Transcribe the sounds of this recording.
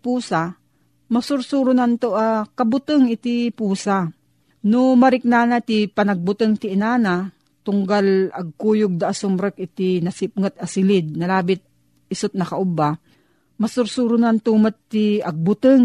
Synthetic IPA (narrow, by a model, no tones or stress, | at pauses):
puːsa | mɐsʊɾsuːɾʊnant̪oʔakɐbʊt̪əŋɪt̪ipuːsa | nʊmɐɾɪk̚naːnat̪ipɐnɐɡ̚bʊt̪əŋt̪ɪʔɪnaːna | t̪ʊŋɡalɐɡ̚kuːjʊɡ̚d̪aʔasʊmɾəkʔɪt̪inɐsɪp̚ŋat̪̚ɐsɪlɪd̪̚nɐlaːbɪt̪̚ | ɪsʊt̪̚nɐkaʔʊba | mɐsʊɾsuːɾʊnant̪umat̪t̪ːiɐɡ̚bʊt̪əŋ